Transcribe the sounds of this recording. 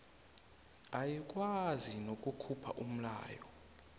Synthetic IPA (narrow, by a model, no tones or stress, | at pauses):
ajik̬ʼwazinokʼukʰupʰa̰ʔum̩la̰ːjɔ̰